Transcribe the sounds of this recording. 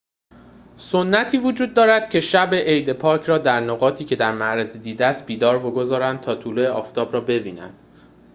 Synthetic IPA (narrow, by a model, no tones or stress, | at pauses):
sonːæt̪ʰiːvod͡ʒuːd̪̚ːɒːɾæd̪̥cʰe̞ʃæbe̞ʔejd̪epʰɒːcʰrɒːd̪æɾnoɣɒːt̪ʰiːcʰe̞d̪æɾmæʔɾæzid̪iːd̪eæːst̪̚biːd̪ɒːɾbo̞ɡo̞zɒːɾænd̪̚t̪ʰɒːt̪ʰuːloeɒːft̪ʰɒːbɾɒːbe̞biːnæ̰nd̪̥